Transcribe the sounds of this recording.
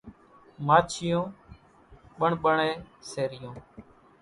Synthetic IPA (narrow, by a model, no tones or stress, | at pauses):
maːt͡ʃʰɪjõː | ɓəɳɓəɳeːseːɾɪjõː